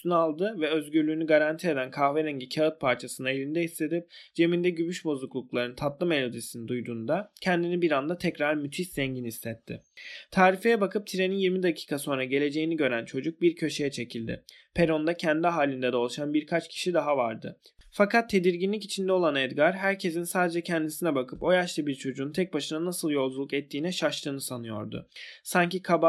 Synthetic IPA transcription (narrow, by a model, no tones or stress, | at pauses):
st̪ʰynɯalˠd̪ɯvɛø̞zɟyɾlʲyːnyɡaɾant̪ʰie̞d̪ænkʰahveɾɛɲɟicʰaɯt̪̚pʰaɾt͡ʃʰasɯnae̞lʲind̪ɛɦislʲe̞d̪ip̚d͡ʒe̞mind̪ɛɟymyʃbo̞zˠuklˠuklˠaɾɯnt̪ʰat̪lˠɯme̞lʲo̞d̪isinid̪ujd̪uːnd̪acʰɛnd̪inibiɾand̪at̪ʰɛcɾaɾmyt̪ʰiszɛɲɟinislɛt̪ʰːɪt̪ʰaːɾife̞jɛbakʰɯp̚t̪ʰiɾe̞ninjiɾmid̪acʰi̥ːkʰaso̞nɾaɟe̞lʲe̞d͡ʒe̞jiniɟø̞ɾænt͡ʃʰo̞d͡ʒuk̚biɾcʰø̞ʃe̞jɛt͡ʃʰe̞cʰilʲd̪ɪ̰ | pʰe̞ɾo̞nd̪acʰɛnd̪iɦaːlʲind̪ɛd̪ɛo̞lˠaʃanbiɾkʰat͡ʃcʰi̥ʃid̪aɦavaɾd̪ɯ̰ | fakat̪ʰːe̞d̪iɾɟinlʲic̬it͡ʃʰind̪ɛo̞lˠanɛd̪ɡaɾɦæɾcʰe̞sinsaːd̪e̞d͡ʒɛcʰɛnd̪isinɛbakʰɯpo̞jaʃlˠɯbiɾt͡ʃʰo̞d͡ʒuːnt̪ʰɛc̚baʃɯnanasɯlˠjo̞lˠd͡ʒulˠukɛt̪ʰːiːnɛʃaʃlˠɯːnɯsanɯjo̞̰ɾd̪ʊ̰saɲcikʰaba